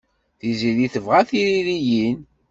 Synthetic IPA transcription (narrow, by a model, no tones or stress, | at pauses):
θiziðiθəvʁæθiɾiɾijin